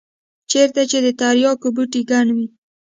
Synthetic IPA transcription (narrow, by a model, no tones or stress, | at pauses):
t͡ʃeɾt̪at͡ʃed̪ət̪aɾjɑkobuʈiɡaɳwi